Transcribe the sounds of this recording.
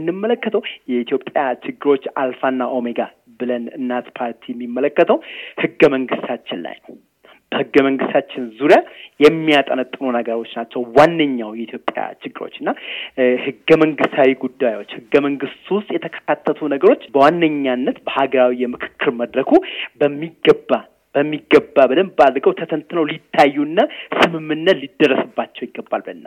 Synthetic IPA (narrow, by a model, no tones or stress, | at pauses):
ɨnːɨmːələkːət̪ʰəwjɛit̪ʰjo̞pʼːjat͡ʃɪɡːɨɾo̞t͡ʃːalfanːaʔo̞meɡa | bɨlənɨnːat̪pʰaɾt̪ʰijɛmːimːələkːət̪ʰəwhɨɡːəməŋɡɨst̪ʰat͡ʃːɪnla̰jnəw | b̥əhɨɡːəməŋɡɨst̪ʰat͡ʃːɪnzuɾjajɛmːijat̪ʼənət̪ʼːɨnunəɡəɾo̞t͡ʃːnat͡ʃːɛwwanːəɲːawjɛit̪jo̞pʼja̰t͡ʃɪɡːɨɾo̞̰t͡ʃːɨnːahɨɡːəməŋɡɨst̪ʰawiɡud̪ːajwo̞t͡ʃːhɨɡːəməŋɡɨst̪wʊst̪ʼjɛt̪ʰəkʰə̥kʰat̪ʰːət̪ʰunəɡəɾo̞t͡ʃːbəwanːəɲːanːət̪bəhaɡəɾawijɛmɨkʰɨ̥kʰːɨɾməd̪ɾəkʰubəmːiɡəba | b̥əmːiɡːəbːabɨləmbad̪ɡəwt̪ʰət̪ʰənt̪nəwlit̪ʰːajːuɨnːasɨmɨmːɨnːət̪lid̪ːərːəsɨbːat͡ʃːɛwjɪɡːəbːalbəɨnːa